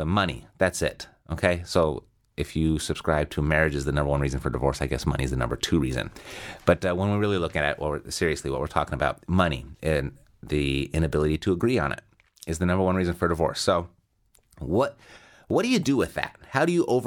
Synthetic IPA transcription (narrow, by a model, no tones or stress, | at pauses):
əmʌñḭðætsɪ̰t̚ | ʔoʊkʰeɪsoʊ | ɨfjɨsɨb̥skɹaɪb̚tʰɨmɛɹɨd͡ʒɨzðɨnʌ̃mbə˞wʌ̃nɹizɨ̃n̩fə˞dɨvɔ̰ɹsaɪɡɛ̰smʌ̰ñḭɨzðɨnʌ̰̃mbə̰˞tʰʉɹizɨ̰̃nb̥ʌt̚wə̃nwiɹɪlˠilʊkɪ̃ŋɨɾɨ̰t̚wəwsɪɹiɨsliwʌ̰twɨ˞ɹtʰɔ̰kɪ̃ŋəbaʊt̚mʌñḭʔɨ̃n | ðiɪ̃ñɨbɪlˠɨɾiɾɨəɡɹiə̰̃nɪ̰t | ɨzðɨnʌ̃mbə˞wʌ̃nɹizɨ̃n̩fə˞dɨvɔ̰ɹsoʊ | wʌt̚ | wʌt̚d̥ɨjɨdɨwɪðæ̰t̚haʊɾɨjɨʔoʊvə